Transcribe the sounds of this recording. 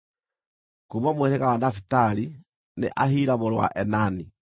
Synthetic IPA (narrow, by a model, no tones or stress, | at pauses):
komamoweɾeɣawanafitaɾi | nḛʔaɦiːɾamoɾowa̰ʔɛnani